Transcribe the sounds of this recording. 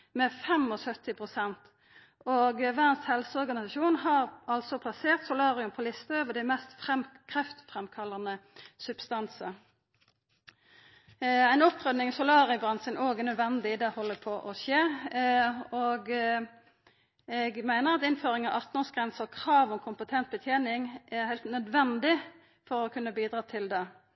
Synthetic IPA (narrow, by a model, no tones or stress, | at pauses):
mɛfɛmɔsœt̪ɪpʰʁʊsɛnt̪ | oːɡʋæənshɛlsəɔʁɡɑnɪsɑʃuːnɦɑʁɑlt̪sɔpʰlɑseːʁt̪sʊlɑːʁɪʉmpʰɔlɪst̪əøːʋəd̪æɪmɛst̪fʁɛmkʰʁɛft̪fʁɛmkʰɑlːɑnəsʉb̥st̪ɑnsə | æɪnɔpʁœd̪nɪŋsʊlɑːʁɪəbʁɑnsənoːɡənœd̪ʋɛnd̪ɪd̪ɛhɔlːəpʰɔːʔɔʃeː | oːɡ | ɛɡmæɪnəʁɑt̪ɪnføːʁɪŋɑʋʔɑʁt̪nɔːʁsɡʁɛnsəʁkʰʁɑːʋɔmkʰʊmpət̪ʰɛnt̪̚bət̪ʰjeːnɪŋæhæɪlt̪nœd̪ʋɛnd̪ɪ | fɔʁɔkʰʉnːəbiːd̪ʁɑːt̪ʰɪld̪ɛ